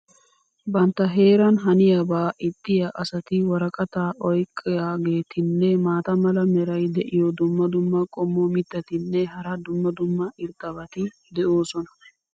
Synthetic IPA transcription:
bɐnt̪ːɐɦe̞ːɾɐnɦɐnɪjɐbaːʔɪt̪ʼːɪjaʔɐsɐt̪ɪwɐɾɐkʼɐt̪aːɔjkʼːɪjaːɡe̞ːt̪ʰɪnːɛmaːt̪ɐmɐlɐmɛɾɐjd̪ɛʔɪjɔd̪ʊmːɐd̪ʊmːɐkʼɔmːɔmɪt̪ːɐt̪ɪnːɛɦɐɾɐd̪ʊmːɐd̪ʊmːɐʔɪɾt̪ʼːɐβɐt̪ɪ | d̪ɛʔo̞ːsɔnɐ

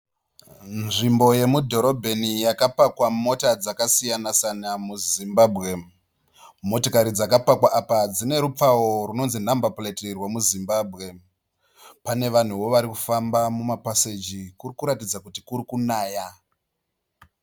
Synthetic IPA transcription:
nʐimbo̞je̞mudʱo̞ɾo̞bʱe̞nijakapakwamo̞tad͡zakasijanasanamuzimbaːbʱɣe̞ | mo̞tokaɾid͡zakapakwaʔapad͡zine̞ɾup͡faworuno̞nzinambapuletirwamuzimbaːbʱɣe̞ | pane̞ʋan̤uʋo̞ʋaɾikufambamumapased͡ʒikurikuɾatid͡zakutikuɾikunaːja

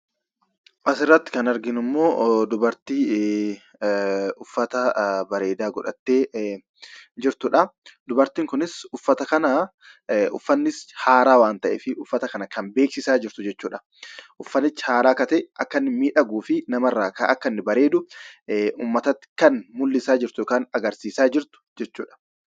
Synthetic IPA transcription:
ʔɐsɪrːɐt̪ːɪ̥kɐnɐɾɡɪnɪmːo̞ːd̪ʊbɐɾt̪iː | ʊfːɐt̪ɐbɐɾe̞ːd̪aːɡɔᶑɐt̪ːeː | d͡ʒɪɾt̪ʊᶑɐd̪ʊbɐɾt̪iːŋkʊnɪsʊfːɐt̪ɐkɐnɐ | ʊfːɐnːɪshaːɾaːwaːnt̪ɐʔɛfɪʔʊfːɐt̪ɐkɐnɐkɐmbe̞ːksɪsaːd͡ʒɪɾt̪ʊd͡ʒɛt͡ʃːuːᶑɐ̥ | ʔʊfːɐnːɪt͡ʃːhaːɾaːkɐt̪ɛʔɐkːɐnːɪmiːᶑɐɡuːfɪnɐmɐrːaːkɐɐ̰kːɐnːɪbɐɾe̞ːd̪ʊ | ʔuːmːɐt̪ɐt̪ːɪ̥kɐnmʊlːɪsaːd͡ʒɪɾt̪ʊjɔkaːnɐɡɐɾsiːsaːd͡ʒɪɾt̪ʊ̥d͡ʒɛt͡ʃːuːᶑɐ̥

